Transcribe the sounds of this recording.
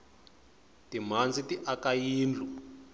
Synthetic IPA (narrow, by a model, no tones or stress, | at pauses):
tim̤and͡zitiʔakajiːnd͡ɮʱu